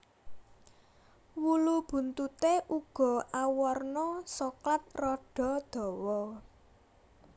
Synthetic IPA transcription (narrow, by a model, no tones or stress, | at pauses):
wulub̥ṳnt̪ut̪eʔuɡ̥ɔ̤ʔawɔrnɔsɔklat̪̚rɔɖ̥ɔ̤d̪̥ɔ̤wɔ